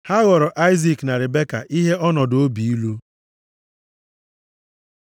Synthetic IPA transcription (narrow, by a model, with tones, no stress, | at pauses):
ha˦ɣɔ˨ɾɔ˨ʔa˦ɪ˦zi˨kna˨ɾɪ˨be˦ka̰˨ʔi˦ɦe˦ʔɔ˦nɔ˨do˦bi˨i˦lu˦